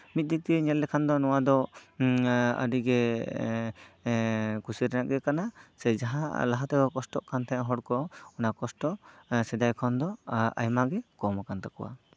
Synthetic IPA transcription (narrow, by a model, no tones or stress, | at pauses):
mit̪̚d̪ik̚t̪iɛɲɛlːɛkʰand̪ɔnɔwad̪ɔ | ə̰ɖiɡɛ | kusiɾɛnaʔɡɛkanasɛd͡ʒaɦa̰laɦat̪ɛɡɔkɔsʈɔʔkant̪ʰajaɦɔɽkɔɔnakɔsʈɔsɛd̪ajkʰɔnd̪ɔa̰jmaɡɛkɔmakant̪akɔwa̰